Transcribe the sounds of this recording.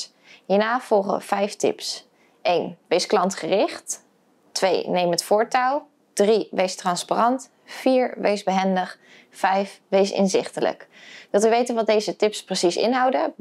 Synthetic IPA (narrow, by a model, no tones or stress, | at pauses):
ɦiːɹnaːv̥ɔlˠχə̰v̥ɛjftɪ̰ps | ʔejnʋejsklɑntχərɪχt | tʋḛjnejmətfʊːɹtalˠ | d̥riʋejstrɑnsparɑnt | fiːɹʋḛjzbəɦɛndəχ | fɛjfʋejsɪ̰nzɪ̰χtələ̰kd̥ɑtʋəʋejtənʋɑt̚dejzətɪpsprəsisɪ̰nɦɑwdə